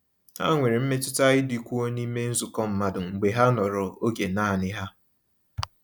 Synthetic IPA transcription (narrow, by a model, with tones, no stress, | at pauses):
ha̰˦ŋʷe˨ɾe˨m̩˦me˦tʊ˦ta˦ɣɪ˦di˨kʷu˦o˦ni˦me˦n̩˦zʊ˨kɔ˦m̩˨ma˦dʊ˨ŋ͡m̩˨ɡ͡be˨ɦa˦nɔ˨ɾʊ˨o˦ɡe˨naː˦˨nɪ˦ɦa˦